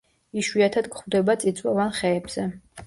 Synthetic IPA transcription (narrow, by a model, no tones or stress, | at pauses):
iʃwiat̪ʰad̪kχvd̪ɛbat̪sʼit̪sʼwavanχɛːbz̥ɛ